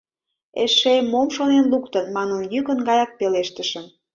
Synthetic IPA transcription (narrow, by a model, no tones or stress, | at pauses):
eʃemomʃonenlukt̪ənmɑnənjykə̆nɡɑjɑk̚peleʃt̪əʃəm